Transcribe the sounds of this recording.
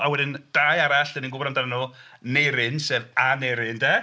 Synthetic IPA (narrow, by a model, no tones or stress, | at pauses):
awɛdɪnd̥aːjaɾaɬɛninɡʊbɾandanənuːnejɾɪnseːvanejɾɪndɛ